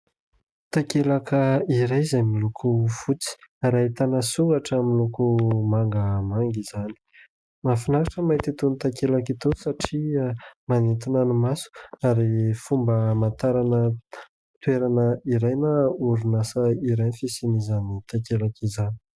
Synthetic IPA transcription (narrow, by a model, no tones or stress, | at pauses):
t̪akelakəiɾajzajmilukʰufut͡si̥aɾaɦit̪anəsuŋɡaʈ͡ʂamilukumaŋɡəmaŋɡiz̥ani̥ | mafinakaʈ͡ʂəmajt̪it̪unit̪akelakit̪osaʈ͡ʂiamanet̪inanimasu̥aɾifumbəmant̪aɾanə | t̪weɾanəiɾajnəuɾunasəiɾajnfisinizanit̪akelakizani̥